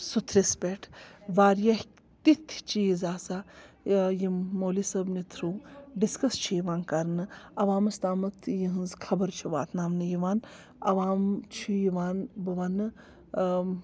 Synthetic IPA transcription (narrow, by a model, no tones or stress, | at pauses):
sut̪ʰɾispʲeʈʰʋaːɾjɐh | t̪it̪ʰt͡ʃiːzaːsaː | jiːoːlisɐbnit̪ʰɾuːɖiskɐst͡ʃʰijiʋaːnkɐɾnɨɐʋaːmɐst̪aːmɐt̪ʰjiɦɨnzkʰɐbɐɾt͡ʃʰuʋa̰ːt̪ʰnaːmnɨjiʋaːn | ɐʋaːmt͡ʃʰijiʋaːnbɨʋanɨ